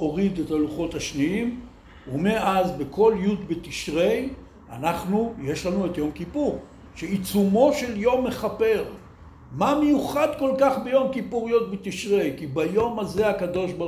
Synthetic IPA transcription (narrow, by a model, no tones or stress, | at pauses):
o̞ʁid̪etaluχo̞t̪haʃniim | umeʔazbekʰo̞ljud̪bet̪iʃʁe̞j | a̰naχnuje̞ʃlanuetjo̞mkipuʁ | ʃeit͡sumo̞ʃe̞ljo̞mːe̞χape̞ʁ | mamejuχad̪ko̞lkaχbe̞jo̞mkipuʁijo̞t̪̚bet̪iʃʁe̞jkibajo̞maze̞akad̪o̞ʃba